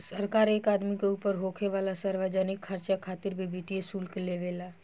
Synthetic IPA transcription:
səɾkaːɾeːkaːd̪mikeuːpəɾɦoːkʰeʋaːlasəɾʋad͡ʒənɪkʰːɐɾt͡ʃakʰaːt̪ɪɾbʱibʱiʈijesuːlkeleʋeːlaː

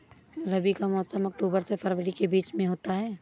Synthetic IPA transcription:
ɾɐbikamɔːsəmɐk̚ʈoːbəɾsepʰɐɾʋəɾikebiːt͡ʃmẽɦoːt̪aɦɛː

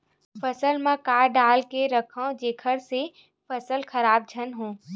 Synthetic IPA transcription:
fɐsəlmãkaːɾɖaːlkeɾɐkʰə̃d͡ʒeːkʰəɽse | fɐsəlxɐɾaːb̚d͡ʒʱənɦũː

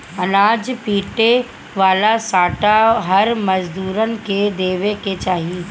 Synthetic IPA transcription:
ɐnaːd͡ʒpiːʈe | ʋaːlasaːʈaɦɐɾmɐzd̪uːɾənɪ̆ked̪eːʋeket͡ʃaːɦi

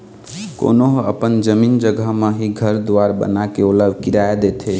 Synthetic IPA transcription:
ko̰noɦəpənd͡ʒəmind͡ʒəɡʱəɦmeɦiɡʱəɾd̪waɾbə̰nakeoləbʱkiɾaed̪et̪ʰe

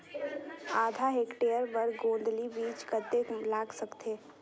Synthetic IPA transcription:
aːd̪ʱaɦeːkʈeːəɾbəɾɡõːnd̪libiːt͡ʃkəɾt̪eɦũlaːɡsəkt̪ʰeː

